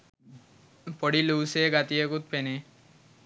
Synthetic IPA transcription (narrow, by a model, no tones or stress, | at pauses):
pɔɽiluwseɡat̪iekut̪̚pene